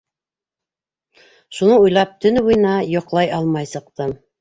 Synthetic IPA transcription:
ʃunɤujlˠɑp̚t̪ɵ̆nβujnɑjŏqlˠɑjɑlˠmɑjsɤ̆q̚t̪ɤm

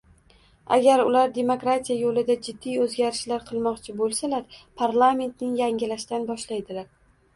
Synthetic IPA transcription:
a̰ɡʲaɾʊlaɾd̪e̞mokɾat̪ʰijajolɪd̪ad͡ʒɪd̪ːijɵzɡʲaɾɪʃlaɾqʰɨlˠmɒqt͡ʃʰɪbolˠsalaɾpʰaɾlˠame̞nt̪nɪŋjaŋɡʲɪlaʃt̪anbɒʃlajd̪ɪlaɾ

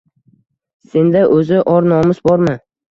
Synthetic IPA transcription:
se̞nd̪aʔɵzɪʔɒɾnɒmɪzbɒɾmɪ

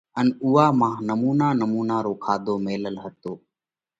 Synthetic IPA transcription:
ənuːaːmãːnəmuːnaːnəmuːnaːɾoːkʰaːd̪oːmeːləlɦət̪oː

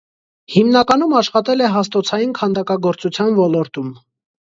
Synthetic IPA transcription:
himnɑkɑnumɑʃχɑt̪ɛlɛɦɑst̪ɔt͡sʰɑjinkʰɑnd̪ɑkɑɡɔɾt͡sut͡sʰjɑnvɔlɔɾt̪um

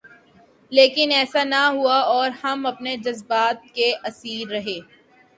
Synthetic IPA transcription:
leːkɪnɛːsanɐɦuaɔːɾhɐmɐpned͡ʒɐzbaːt̪̚keʔɐsiːɾːɐɦeː

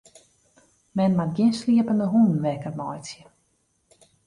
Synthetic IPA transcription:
mɛnmatɡjɪnsliəpəndəɦunn̩ʋɛkərmɔjsjə

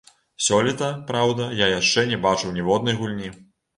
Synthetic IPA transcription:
sʲɔlʲɛt̪ɐpɾawd̪ɐjajaʂt͡ʂɛnʲɛbat͡ʂɨwnʲɛvɔd̪nɐjɣulʲnʲi

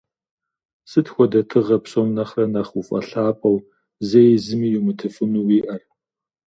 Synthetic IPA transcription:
sɨtxʷɔdɐtʰɨʁɐpɕʼɐmnɐχrɐnɐχufʼɐ̰ɬaːpʷʼɐw | zejzɨmiːjumɨtʰɨfɨnuwiːʔɐr

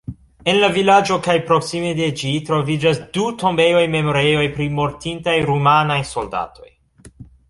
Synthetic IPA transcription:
e̞nlavilad͡ʒo̞kajpɾo̞ksimede̞d͡ʒitɾo̞vid͡ʒasduto̞mbejo̞jme̞moɾejo̞jpɾimo̞ɾtintajɾumanajso̞lda̰tʰo̞̰j

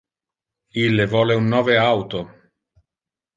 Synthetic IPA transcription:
ilːevɔːleunːɔːveawt̪o

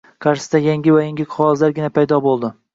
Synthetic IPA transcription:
kʰaɾʃɪsd̪ajaŋɡʲɪvajaŋɡʲɪqʰʊɒzlaɾɡʲɪnapʰajd̪ɒbolˠd̪ɪ

